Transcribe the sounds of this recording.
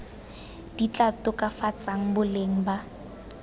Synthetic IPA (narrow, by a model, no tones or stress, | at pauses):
d̥it͡ɬʼatʊkʼafat͡sʼaŋ̩bʊleŋ̩ba